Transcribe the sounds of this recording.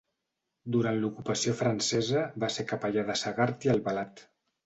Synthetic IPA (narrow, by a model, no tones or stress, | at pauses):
d̪uɾant̪lukupəsijofɾənsɛzəβasekapaʎaðəsəɣaɾt̪iəlˠβəlat̪